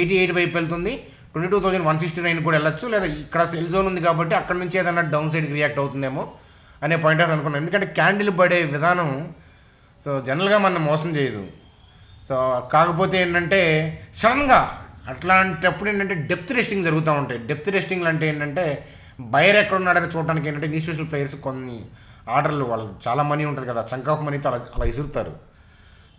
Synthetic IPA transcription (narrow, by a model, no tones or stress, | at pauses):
eʈ̬iːejʈbɐjpeɭt̪̬und̪i | ʈweɳʈiːʈuːt̪oːd͡ʒɐnʋɐns̬iksʈinɐjnk̬uːɽaɛɭːɐt͡ʃːulɛːd̪aːikːɐɽɐselzoːnund̪ik̬aːbɐʈ̬ːiɐkːɐɽɐnuɲt͡ʃieːd̪ɐnːaːɖɐwns̬ɐjɖkɾijaːk̚ʈɐwt̪und̪eːmoː | ɐne̞ːp̬oːjiɳʈaːɾsɐnukunːaːmend̪ukɐɳʈeːkaːɳɖilubɐɽeːʋid̪ʱaːnɐ̃m | soːd͡ʒɛnɐlɡaːmɐnɐmːɔːsɐmt͡ʃeːjɐd̪ṵ | soːkaːkɐpoːt̪̬e̞eːɳʈɐɳʈe̞ːsɐɾɐŋɡaːɐʈlaːɳʈiɐpːuɽeɳʈɐɳʈe̞ːɖe̞p̚t̪uɾesʈiŋɡd͡ʒɐɾuɡut̪̬aːuɳʈaːjɖe̞p̚t̪uɾesʈiŋɡlɐɳʈeeːɳʈɐɳʈe̞ː | bɐjɐɾɛkːɐɽɐnːaːɖɐɾlɐt͡ʃuːʈ̬ːaːnikeɳʈɐɳʈeinjusuʃ̬nɐlplejɐɾskonːiaːɾɖɐɾluʋaːɭːɐt͡ʃaːlaːmɐniuɳʈund̪ikɐd̪aːt͡ʃɐŋkaːkɐmɐnit̪oːɐlɐlaːisuɾut̪aːɾṵ